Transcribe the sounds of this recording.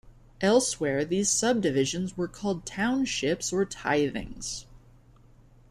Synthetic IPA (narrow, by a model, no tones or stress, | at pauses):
ʔɛlˠswɛɹðiz̥sʌb̚dɨvɪʒɨ̃nzwə˞kʰɔlˠd̚tʰãʊ̃nʃɪpsə˞tʰa̰ɪðɪ̰̃ŋz̥